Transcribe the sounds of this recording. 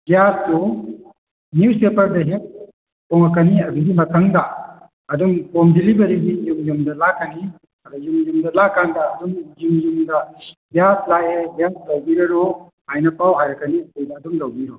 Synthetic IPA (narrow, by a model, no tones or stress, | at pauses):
bjastu | nuwspepɐɾdɐɦek̚ | pɔŋakaniɐduɡimɐtʰaŋdɐː | duŋpomdilibɐɾiɡijumjumdɐlakani | ɐɾajumjumdɐlakːandɐːduŋjumjumdɐbijaslaebjas̚tawbiɾɐɾo | hajnɐpʰawɦajɾɐkanikojdaːduŋlawbiɾo